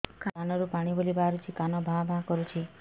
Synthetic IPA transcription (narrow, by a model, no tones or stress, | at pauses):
kʰaanɔɾupaɽ̃ibolibʱaɾut͡ʃʰikanɔbʱãbʱãkɔɾut͡ʃʰi